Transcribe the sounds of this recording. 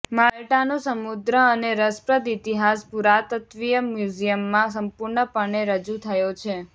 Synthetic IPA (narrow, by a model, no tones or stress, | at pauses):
malʈanõsəmud̪ɾəəneɾəspɾəd̪it̪iɦaspuɾat̪ət̪ʋijəmjud͡ʒijəmːãsəmpʊɾɳəpəɳ̃eɾəd͡ʒut̪ʰəjot͡ʃʰe